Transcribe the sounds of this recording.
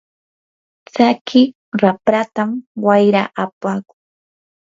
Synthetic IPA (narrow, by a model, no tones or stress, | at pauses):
t͡sakʰɪ | ɾapɾat̪amwajɾaʔapaːkʊŋ